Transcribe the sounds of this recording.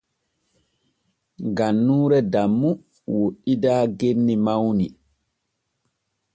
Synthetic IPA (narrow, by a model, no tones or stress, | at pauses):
ɡanːuːɾɛdamːu | woɗːidaːɡenːimawni